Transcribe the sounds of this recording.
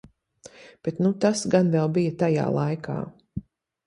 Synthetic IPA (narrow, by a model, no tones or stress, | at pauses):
b̥et̪nut̪asɡanvɛlˠbijɐt̪aja̰ːlˠajkʰa̰ː